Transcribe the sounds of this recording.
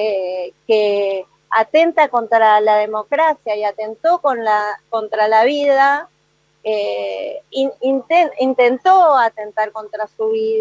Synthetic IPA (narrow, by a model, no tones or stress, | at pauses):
eke | at̪e̞nt̪ako̞nt̪ɾalað̞emo̞kɾasjaiat̪e̞nt̪o̞konlako̞nt̪ɾalaβiða | e | iint̪eint̪e̞nt̪oat̪e̞nt̪aɾko̞nt̪ɾasuβið